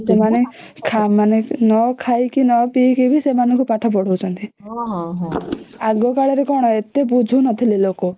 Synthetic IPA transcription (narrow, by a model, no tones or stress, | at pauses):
semane | kʰamanenɔkʰajkinɔpikibʱisemanɔŋkupaʈʰɔpɔɽ̤owt͡ʃʰɔnt̪iɦɦaɡɔkaɭɔɾekɔɽ̃ɔet̪ebud͡ʒʱunɔt̪ʰililokɔ